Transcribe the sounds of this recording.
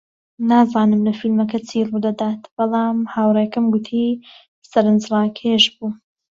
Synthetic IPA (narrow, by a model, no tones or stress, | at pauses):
naːzaːnɨmlɐfilmɐkɐt͡sʰiːrud̪ɐd̪aːt̪b̥ɑlˠɑːmhaːwrˤeːjkɐmɡʊt̪ʰi | sɐɾɨnd͡zrˤɑːkʰeʒbuː